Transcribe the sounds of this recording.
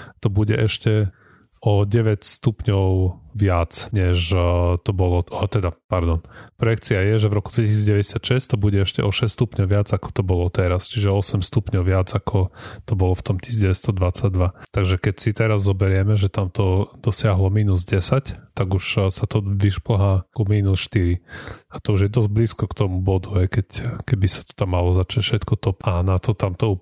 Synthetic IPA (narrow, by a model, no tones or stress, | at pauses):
t̪ɔbuɟɛʔɛʃcɛ | ɔɟɛʋɛcst̪upɲɔʊʋɪat͡sɲɛʃt̪ɔbɔlɔt̪ɛd̪apaɾd̪ɔnpɾɔjɛkt͡siajɛʒɛvɾɔkud̪ʋɛcisid͡zɟɛʋɛɟɛsɪat̪ʃɛst̪ɔbuɟɛɛʃcɛʔɔʃɛsst̪upɲɔʊʋɪad͡zakɔ̥t̪ɔbɔlɔt̪ɛɾast͡ʃiʒɛɔsɛmst̪upɲɔʊʋɪad͡zakʰɔt̪ɔbɔlɔft̪ɔmci̥sid͡zɟɛʋɛst̪ɔd̪ʋat͡saɟ̚d̪ʋat̪aɡʒɛkɛcsit̪ɛɾazːɔbɛɾɪɛmɛʒɛt̪amt̪ɔd̪̥ɔsɪaɦlɔmiːnuzɟɛsact̪aɡuʃsat̪ɔʋiʃpl̩ɦaːkumiːnusʃt̪iɾiat̪ɔuʒjɛd̪ɔzɟ̚bliːskɔkt̪ɔmubɔd̪uɦɛjkɛckɛbisḁt̪ɔ̥t̪amːalɔzat͡ʃacfʃɛt̪kɔt̪ɔpanat̪ɔt̪amt̪ɔu